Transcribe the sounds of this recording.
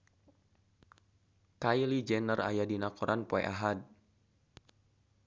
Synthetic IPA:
kajlid͡ʒɛnəra̰jadinakɔɾʔanpoɛ̰ʔaɦad̚

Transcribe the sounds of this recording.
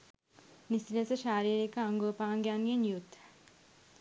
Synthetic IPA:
nisiləsəʃaːɾiːɾikəaŋɡuʋəpaːŋɡjaːnɡenjut̪

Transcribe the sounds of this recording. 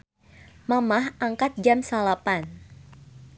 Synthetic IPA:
mamahʔaŋkat̪̚d͡ʒamsalapan

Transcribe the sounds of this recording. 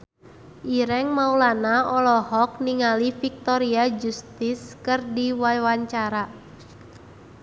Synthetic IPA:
ʔiɾɛŋmaulanaʔɔlɔhɔk̚niŋalifik̚t̪ɔɾiad͡ʒust̪ɪskɨrdiwajwaɲt͡ʃaɾa

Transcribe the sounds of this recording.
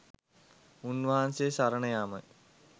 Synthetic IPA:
unʋɐɦaːnsesɐɾɐɳɐjaːmɐ̰

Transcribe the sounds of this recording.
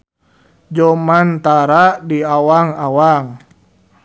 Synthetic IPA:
d͡ʒɔmant̪aɾadiawaŋawaŋ

